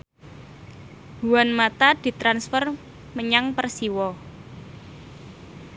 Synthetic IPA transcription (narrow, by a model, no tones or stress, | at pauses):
buwanmat̪ad̪̥i̤t̪ɾansfər | məɲaŋpərsiwɔ